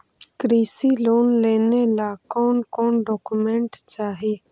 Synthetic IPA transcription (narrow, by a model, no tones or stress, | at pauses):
kɾiːsiloːnleːnelaːkoːnkoːnɖoːkumeɳʈt͡ʃaːɦiː